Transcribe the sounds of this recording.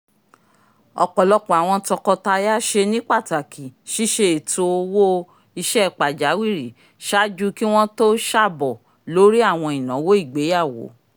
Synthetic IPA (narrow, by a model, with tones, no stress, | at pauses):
ɔ̰˧˨k͡pɔ˨lɔ˧k͡pɔ˨a˨w̃ɔ̃˧tɔ˧kɔ˧ta˧ja˦ʃe˧nĩ˦k͡pa˦˨ta˨kʰi˨ʃi˦ʃe˧e˨to˧wo˦ | i˧ʃɛ˦˨k͡pa˨d͡ʒa˨˦wi˦˨ɾi˨ | ʃa˦d͡ʒu˦ki˦w̃ɔ̃˦to˦ʃa˦˨bɔ˨ | lo˨˦ɾi˦a˦˨w̃ɔ̃˧i˨nã˨˦wo˦i˦˨ɡ͡be˨˦ja˦˨wo̰˨˦